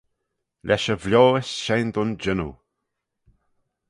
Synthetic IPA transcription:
lʔɛʃəvljɔːəsʃɛjnd̪ʊnd͡ʒɪnṵ

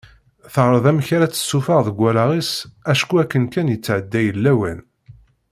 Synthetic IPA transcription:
θəʁɾˤəðˤæmçaɾæt͡sːə̥sːufɑʁðəɡʷːælɑʁisæʃkuækːənkænjət͡sːʕəd̪ːæjəlːæwæn

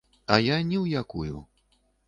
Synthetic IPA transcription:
ɐjanʲɛwjakujṵ

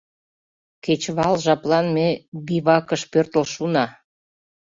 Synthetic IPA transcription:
ket͡ɕβɑlʒɑplɑnmebiβɑkəʃpørt̪ə̆lʃunɑ

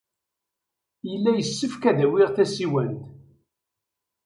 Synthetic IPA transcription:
jəlːæjəsːəfkæðæwɪʁθæsiwænt̪

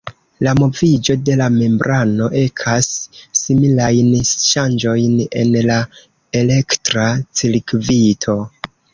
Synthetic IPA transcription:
lamo̞vid͡ʒo̞de̞lame̞mbɾʔano̞ʔe̞kʰasːimilajnʃand͡ʒo̞jne̞̰nla | e̞le̞ktɾat͡siɾkvitʰo̞

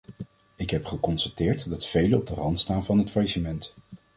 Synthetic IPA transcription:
ɪkɦɛpχəkɔnstatɪːɹtdɑtfejləɔb̚dərɑntstaːnvɑnɦətfajʃəmɛnt

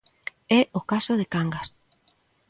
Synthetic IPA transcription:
ɛokasoðekaŋɡas

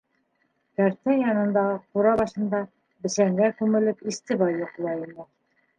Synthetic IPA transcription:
kæɾt̪ænjɑnɤ̆nd̪ɑʁɤquɾɑβɑʃɤ̆nd̪ɑ | bɘ̆ʃæŋɡækʉmɘ̆lɘpist̪ɘbɑjːoqlˠɑjɤnɤ

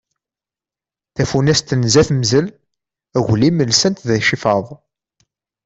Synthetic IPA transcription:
θæfunæst̪ənzæθməzəl | æɣʷliməlsənt̪ðæʃifɑðˤ

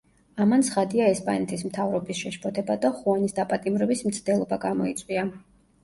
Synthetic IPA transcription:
amant̪sʰχad̪iaɛspʼa̰nɛt̪ʰismt̪ʰavɾɔbisʃɛʃpʰɔt̪ʰɛbad̪aχuanisd̪apʼat̪ʼimɾɛbism̩t̪sʰd̪ɛlˠɔbaɡamɔit̪sʼwia

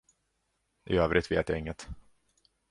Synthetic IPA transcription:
ʔɪ̰øːvɾɪt̪vḛːt̪jaɪŋːət̪

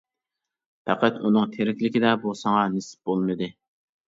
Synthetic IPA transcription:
pʰæqæt̪unɨŋt̪ʰeɾɪkʲlɪkʲid̪ɛbusɑŋɑnesɪ̥p̚bolˠmɨd̪ɨ

